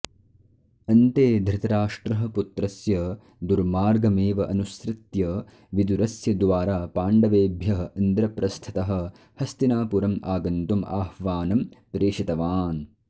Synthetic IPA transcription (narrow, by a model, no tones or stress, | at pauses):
ɐnt̪eːd̪ʱɾɪt̪ɐɾaːʂʈɾɐɦɐ̆put̪ɾɐsjɐ | d̪uɾmaːɾɡɐmeːʋɐʔɐnusɾɪt̪jɐ | ʋid̪uɾɐsjɐd̪ʋaːɾaːpaːɳɖɐʋeːbʱjɐɦɐɐnd̪ɾɐpɾɐst̪ʰɐ̥t̪ɐɦɐ̆ | hɐst̪inaːpuɾɐmaːɡɐnt̪uma̰ːhʋaːnɐmpɾeːʂit̪ɐʋaːn